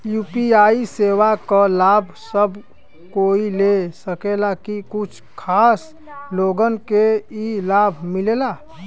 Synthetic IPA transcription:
juːpiaisewakəlabʱsəb | koilesəkelakikʊt͡ʃʰkʰaːs | loɡənkeilabʱmilela

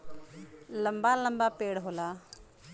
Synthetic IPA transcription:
ləmbaːləmbaːpeːɽɦoːlaː

